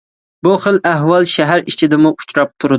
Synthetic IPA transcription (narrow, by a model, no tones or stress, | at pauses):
buχəlæɦwɑlˠʃæɦæɾit͡ʃʰɪd̪ɪmʊʔu̥t͡ʃʰɾɑp̚t̪ʰuɾɨ